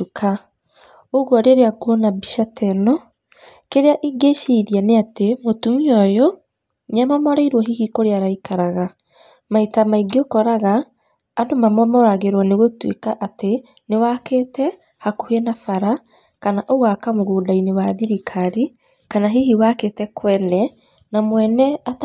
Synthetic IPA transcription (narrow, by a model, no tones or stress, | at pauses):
ukʰa | oɣwɔɾeɾeaɡuɔnabiʃatʰɛnɔ | keɾeaʔiɡeʃiðianeatemotumiɔjɔ | ɲamamɔɾaiɾwɔɦihikoɾeaɾaikaɾaɣa | maitamaiɡiokɔɾaɣaː | domamɔmɔɾaɣeɾwaneɣotwḛkaʔate | newaketɛ | hakohenafaɾa | kanaʔowakamoɣoːdainewaðiɾikʰaɾi | kanaɦihiwaketɛkʰwɛnɛ | namwɛnɛat